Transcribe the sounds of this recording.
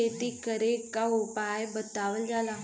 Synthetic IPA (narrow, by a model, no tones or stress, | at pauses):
et̪ikəɾekːaupajbət̪aʋəld͡zala